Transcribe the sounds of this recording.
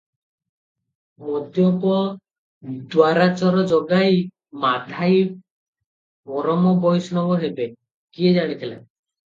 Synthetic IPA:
mɔd̪jɔpɔ | d̪waɾat͡ʃɔɾɔd͡ʒɔɡaj | mat̪ʰaj | mɔɾɔmɔbɔjsɔnɔbɔɦebe | kied͡ʒaɽ̃it̪ʰila̰

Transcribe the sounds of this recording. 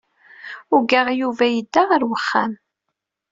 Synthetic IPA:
ʊɡaʁjuvæjəd̪ːaʁəɾwəχːa̰m

